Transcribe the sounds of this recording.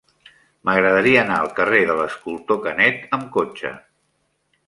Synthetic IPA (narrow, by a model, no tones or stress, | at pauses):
məɣɾəðəɾiəːnaəlˠkəreðələskulˠt̪okənɛt̪əmkot͡ʃə̰